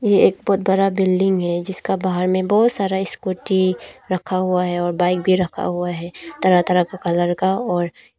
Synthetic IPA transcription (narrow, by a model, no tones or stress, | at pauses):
jeeːk̚bɔːt̪̚bɐɾabɪlɖɪ̃ŋɡɦɛd͡ʒɪskabaɦəɾmẽbɔːt̪saːɾaɪskoːʈiɾɐkʰaɦuaɦɛɔːɾbaːɪk̚bʱiɾɐkʰa̰ɦuaɦɛːt̪ɐɾat̪ɐɾakakɐləɾkaɔːɾ